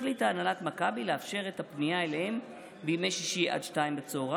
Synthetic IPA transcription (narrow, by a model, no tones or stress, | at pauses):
litaːnalatmakabileafʃe̞ʁe̞thapnijaelehem | beijmejʃiʃiʔa̰d̪ʃtaimbet͡sooʁa